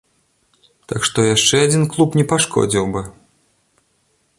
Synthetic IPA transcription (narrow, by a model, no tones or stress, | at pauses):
t̪akʂt̪ɔjaʂt͡ʂɛad͡zʲinklˠupnʲɛpaʂkʰɔ̰d͡zʲiwbɨ